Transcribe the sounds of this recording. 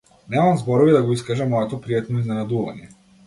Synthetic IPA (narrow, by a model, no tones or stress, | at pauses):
nɛmamzbɔɾɔvid̪aɡɔiskaʒamɔjɛt̪ɔpɾiat̪nɔiznɛnad̪uva̰ɲɛ